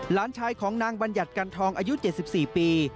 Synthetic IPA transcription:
laː˨˦˥nt͡ɕʰaː˧jkʰɔː˩˦ŋnaː˧ŋba˧nja˨˩t̪̚ka˧nt̪ʰɔː˧ŋʔaː˧ju˦˥t͡ɕe˨˩t̪̚si˨˩p̚siː˨˩piː˧

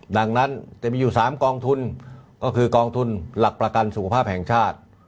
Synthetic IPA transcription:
da˧ŋna˦˥nt͡ɕa˨˩ʔmiː˧juː˨˩saː˩˦mkɔː˧ŋt̪ʰu˧nkɔː˥˩kʰɯː˧kɔː˧ŋt̪ʰu˧nla˨˩k̚pɾa˧ka˧nsu˨˩kʰa˧pʰaː˥˩p̚hɛ˨˩˦ŋt͡ɕʰaː˥˩t̪̚

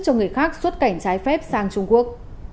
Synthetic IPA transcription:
t͡ɕɔ˧ŋɨ˨˩əjxaː˦˥k̚swə˦˥t̚ka˧˩jŋ̟t͡ɕaː˨˦jfɛ˦˥p̚saː˧ŋt͡ɕʊ˧ŋ͡mku˦˥ək̚

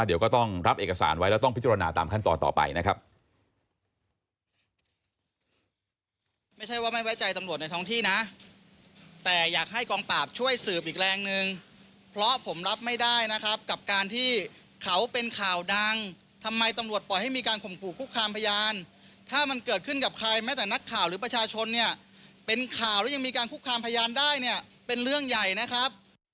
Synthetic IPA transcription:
di˨˦kɔː˥˩t̪ɔ˥˩ŋɾa˦˥p̚ʔeː˨˩ka˧sa̰ː˩˦nwa˦˥jlɛ˦˥wt̪ɔ˥˩ŋpʰi˦˥tt͡ɕːɾa˧naː˧t̪a̰ː˧mkʰa˥˩nt̪ɔ̰ː˨˧nt̪ɔ̰ː˨˩pa̰˧jna˦˥kʰa˦˥p̚ | ma˥˩jt͡ɕʰa˥˩jwaː˥˩ma˥˩jwa˦˥˩jt͡ɕa˧jt̪a˧mɾu˨˩ət̪̚na˧jt̪ʰɔ˦˥ŋt̪ʰiː˥˩na˦˥ʔ | t̪ɛː˨˩jaː˨˩k̚ɦa˥˩jkɔː˧ŋpaː˨˩p̚t͡ɕʰu˥˩əjsɯː˨˩p̚ʔiː˨˩k̚ɾɛː˧ŋnɯ˨˧ŋ | pʰɾɔ˦˥ʔpʰo˩˦mɾa˦˥p̚ma˥˩jdaː˥˩jna˦˥kʰɾa˦˥p̚ka˨˩p̚kaː˧nt̪ʰiː˥˩ | kʰa˩˦˥wpe˧nkʰaː˨˩wda˧ŋ | t̪ʰa˧mːa˧jt̪a˧mɾu˨˩ət̪̚pɔː˨˩jha˥˩jmiː˧kaː˧nkʰo˨˩mkʰuː˨˩kʰːu˦˥kʰːaː˧mpʰa˧jaː˧n | t̪ʰaː˥˩ma˧nkɤː˨˩t̪̚kʰɯ˥˩nka˨˩p̚kʰa˧jmɛː˦˥t̪ɛː˨˩na˦˥kʰːaː˨˩wɾɯː˩˦p̬ɾa˧t͡ɕʰaː˧t͡ɕʰo˧nːi˥˩ɐ | pe˧nkʰaː˨˩wɾɛ˦˥ja˧ŋmiː˧kaː˧nkʰu˦˥kʰːaː˧mpʰa˧jaː˧ndaː˥˩jni˥˩ɐ | pe˧nɾɯ˥˩əŋja˨˩jna˦˥kʰɾa˦˥p̚

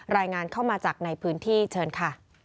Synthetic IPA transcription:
ɾaː˧jŋaː˧nkʰa˥˩wmaː˧t͡ɕaː˨˩k̚na˧jpʰɯː˦˥nt̪ʰiː˥˩t͡ɕʰɤː˧nkʰa˥˩

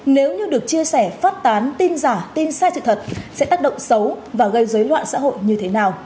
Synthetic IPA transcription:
ne˨˦wɲɨ˧ɗɨ˨˩ək̚t͡ɕi˧əsɛ˧˩faː˦˥t̚t̪aː˨˦nt̪i˧nzaː˧˩t̪i˧nsaː˧jsɨ̰˧˨t̪ʰə˨˩t̚sɛ̰˧˥t̪aː˦˥k̚ɗə̰˧˨ŋ͡msə˨˦wvaː˨˩ɣə˧jzəː˨˦jlwa̰ː˧˨nsa̰ː˧˥ɦo̰˧˨jɲɨ˧t̪ʰe˨˦naː˨˩w

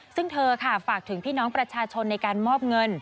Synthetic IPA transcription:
sɯ˥˩ŋt̪ʰɤː˧kʰa˥˩faː˨˩k̚t̪ʰɯ˨˩˦ŋpʰiː˥˩nɔː˦˥ŋpɾa˧t͡ɕʰaː˧t͡ɕʰo˧nːa˧jkaː˧nmɔː˥˩p̚ŋɤ˧n

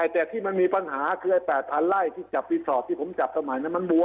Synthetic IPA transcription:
aː˨˩t̪ɛː˨˩t̪ʰiː˥˩ma˧nmiː˧pa˧nɦaː˩˦kʰɯː˧ʔa˧jpɛː˨˩t̪̚ʰːa˧nla˥˩jt̪ʰiː˥˩t͡ɕa˨˩p̚ːiː˧sɔː˨˩p̚t̪ʰiː˥˩pʰo˩˦mt͡ɕa˨˩p̚sa˧ma˨˩˦jna˧˥˩ma˧nbu˧˦

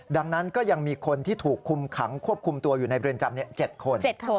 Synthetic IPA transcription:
da˧ŋna˦˥nkɔː˥˩ja˧ŋmiː˧kʰo˧nt̪ʰiː˥˩t̪ʰuː˨˩kʰːu˧mkʰa˩˦ŋkʰu˥˩əp̚kʰu˧mt̪u˧ɐjuː˨˩na˧jpɾi˧ənt͡ɕa˧mni˥˩ɐt͡ɕe˨˩t̪̚kʰo˧nt͡ɕe˨˩˧

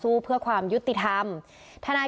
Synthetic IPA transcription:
suː˦˥˩pʰɯ˥˩ɐkʰwaː˧mju˦˥t̪ːi˨˩t̪ʰa˧m | t̪ʰa˧naː˧

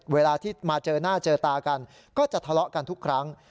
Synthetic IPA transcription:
weː˧laː˧t̪ʰiː˥˩maː˧t͡ɕɤː˧naː˥˩t͡ɕɤː˧t̪aː˧ka˧n | kɔː˥˩t͡ɕa˨˩t̪ʰa˧lɔ˦˥ʔka˧nt̪ʰu˦˥kʰːɾa˦˥ŋ

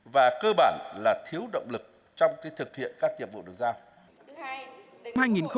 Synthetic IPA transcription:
vaː˨˩kəː˧ɓaː˧˩nlaː˨˩t̪ʰi˨˦əwɗə̰˧˨wŋ͡mlɨ˨˩k̚ | t͡ɕɔ˧wŋ͡mkaː˨˦jt̪ʰɨ˨˩k̚hḭ˧˨ənkaː˦˥k̚ɲi˨˩əp̚vṵ˧˨ɗɨ˨˩k̚zaː˧w | nmhaː˧jŋi˨˩nxə˧

